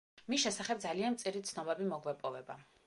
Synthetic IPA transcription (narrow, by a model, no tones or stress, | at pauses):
misʃɛsaχɛb̚d̪zalianmt̪sʼiɾit̪sʰnɔbɛbimɔɡwɛpʼɔvɛba